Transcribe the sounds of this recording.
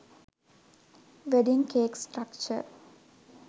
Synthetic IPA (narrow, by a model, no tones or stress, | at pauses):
ʋeɖiŋkeːksʈɾakt͡ʃə̰